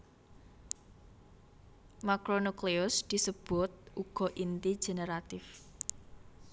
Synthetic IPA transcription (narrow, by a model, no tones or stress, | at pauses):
makɾonukleʊsd̪̥i̤səb̥ʊt̪̚ʔuɡ̥ɔ̤ʔint̪i̥ʒ̥e̤neɾat̪ɪf